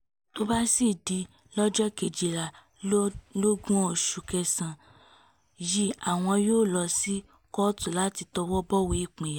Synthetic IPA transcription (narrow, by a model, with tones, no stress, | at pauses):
to˦ba˦si˦˨di˧ | lɔ˦d͡ʒɔ˦ke˨d͡ʒi˨ɾa˨ | lo˦ɡũ˦˨ʃu˨kɛ˧sã˨ | ji˦a˦˨w̃ɔ̃˧joː˦˨lɔ˧si˦ | kɔ˦tu˦˨la˦ti˧tɔ˧wɔ˦bɔ˦we˧˦i˦˨k͡pĩ˨ja˨